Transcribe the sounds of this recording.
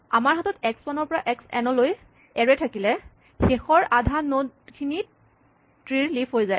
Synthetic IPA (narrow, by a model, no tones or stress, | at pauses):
amaɹɦatɔtɛkspanɔɹpɔɹaʔɛksɛ̰nɔloj | ɛɹɛtʰakilɛ | xexɔɹadʱanodkʰini | tɹiɹlipʰɦojzaj